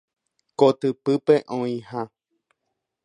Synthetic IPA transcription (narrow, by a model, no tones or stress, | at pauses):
kot̪ɨpɨpeʔõĩhã